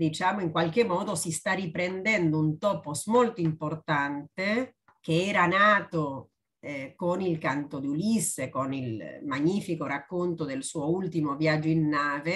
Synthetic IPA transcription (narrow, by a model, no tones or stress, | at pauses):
d̪it͡ʃaːmoiŋkwalk̟emːɔːd̪osist̪aripɾend̪ɛnd̪ount̪ɔːposmolt̪oimport̪ant̪e | k̟eɛːɾanaːt̪o | konilkant̪od̪iulisːekonilmaɲːiːfikoɾakːont̪od̪elsuoult̪imovjad͡ʒːoinːaːve